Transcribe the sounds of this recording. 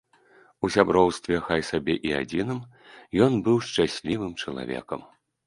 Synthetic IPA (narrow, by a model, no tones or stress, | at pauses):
usʲabɾɔwst̪vʲɛxajsabʲɛʔia̰d͡zʲinɨm | jɔnbɨwʂt͡ʂasʲlʲivɨmt͡ʂɐlˠa̰vʲɛ̰kɐm